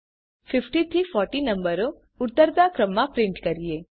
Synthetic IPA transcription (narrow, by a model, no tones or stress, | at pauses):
fɪfʈit̪ʰifɔɾʈinəmbəɾo | ʊt̪ːəɾd̪akɾəmːãpɾɪ̃ɳʈkəɾie